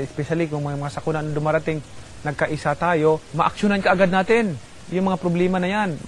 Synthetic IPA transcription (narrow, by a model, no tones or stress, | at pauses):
ɪspɛʃalɪkʊŋmɐamɐŋasɐkʊnanʊd̪ʊmaːɾat̪ɪŋ | nɐɡ̚kɐʔɪsat̪aːjo̞mɐʔɐk̚ʃʊnankɐʔaɡad̪̚naːt̪ɪn | jʊŋmɐŋapɾoblɛːmanɐjan